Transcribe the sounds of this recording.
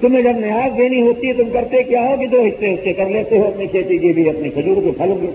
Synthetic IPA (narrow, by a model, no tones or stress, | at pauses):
t̪ʊmẽd͡ʒɐbnɪɦaːzd̪eːniɦoːt̪it̪ʊmkɐɾt̪ekjaːɦokid̪oːɦɪseʊskekɐbleːt̪eɦoɐpnikʰeːt̪ikibʱiɐpnikʰɐd͡ʒuːɾkepʰɐlõɡe